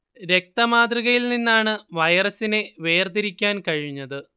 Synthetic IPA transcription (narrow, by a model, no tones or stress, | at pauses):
ɾe̞k̚t̪ɐmaːd̪riɣɐjilninːaːɳɨʋɐjɐrɐsineʋe̞ːrd̪iɾikʲːaːnkɐɻiɲːɐðɨ